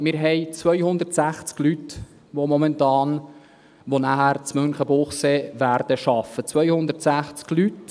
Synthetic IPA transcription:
mɪːɾɦɛɪt͡sʋœjhʊnd̪ərtsæχt͡sklyt | ʋomɔmɛntɑːn | ʋonæhæɾt͡smɵnχəbʊχseːʋæɾd̥əʃɑfːət͡sʋœjhʊnd̪ətsæχt͡sklyt

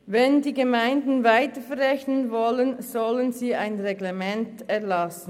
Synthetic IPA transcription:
vɛndiːɡemaɪndn̩vaɪtəfɛʁɛçnənvɔlənzɔlənziːaɪnʁeɡlemɛntɛɐlɑsn̩

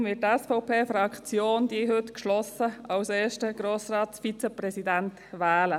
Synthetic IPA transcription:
vɪːt̚tːɛsfɔʊpʰeːfɾɑkt͡sjoːnd̪iːɦɵtkʃlɔsəɑwseːʃtəɡ̥ɾoːsrɑːt̪sfit͡səprɛsidænt | ʋɛːlə

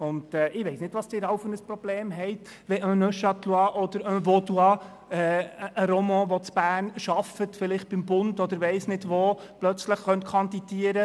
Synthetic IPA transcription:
ʊndɛːʔɪʋɛɪsnɪdʋɑsd̥ɪɾɑwfənəsprɔb̥leːmɦɛɪt̪ | ʋɛʔœnœʃɑt̪luɑʔɔd̪əɾœvɔduɑ | ɛʔəɾɔmɑ̃ːʋɔt͡sb̥æːɾnʃɑfətfɪlɪχt̚b̥ɪmbʊndɔd̪əɾʋɛɪsnɪdʋoplœt͡sləχχœntkʰɑnd̪id̥iəɾə

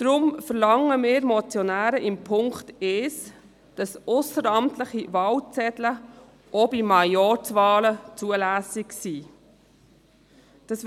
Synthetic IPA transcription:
d̥ɾʊmfəɾlɑŋːəmɪːɾmɔt͡sjɔnæːɾəʔɪmpʰʊŋkt̪eːs | d̥ɑsʊsəɾɑmt̪ləχiʋɑːwt͡sɛtlə | ʔobimɑjɔɾt͡sʋɑːlət͡suəlæːsɪksiː | d̥ɑs

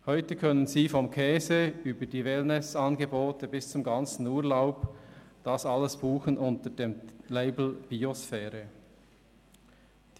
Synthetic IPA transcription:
hɔʏtəkʰœnənziːfɔmkʰɛːzeyːbədiːvelnɛsɑnɡeboːtəbɪst͡sʊmɡɑnt͡sn̩uːɹlaʊpd̥ɑsɑləsb̥uːxənʔʊntəd̥eːmleɪbl̩b̥iosfɛːɾə | d̥

